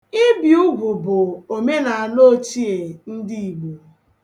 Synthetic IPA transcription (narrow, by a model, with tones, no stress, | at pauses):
ɪ˦bi˨ʊ˦ɡʷʊ˨bʊ˨o˨me˦na˨a˨no˦˨t͡ʃi˦e˨n̩˦dɪ˦i˨ɡ͡bu˨